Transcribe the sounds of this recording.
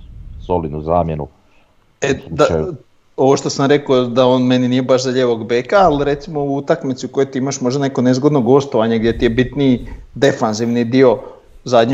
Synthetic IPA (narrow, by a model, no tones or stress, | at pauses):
solinuzaːmjenṵ | ed̪a | o̞ʋo̞ʃt̪o̞samɾe̞kod̪aoːnme̞niniːjebaʃzaʎeːʋo̞ɡbekaːliɾe̞t̪simo̞uut̪akmit̪siuko̞jojt̪iimaʃmo̞ʒd̪ane̞ko̞nezɡo̞d̪no̞ɡo̞st̪oʋaɲeɡd̪ʲje̞t̪ijebit̪nid̪e̞fanziʋnid̪io̞ | zad̪ɲ